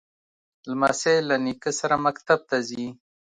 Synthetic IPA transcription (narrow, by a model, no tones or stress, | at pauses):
lmaselanikəsaɾamakt̪ab̚t̪azi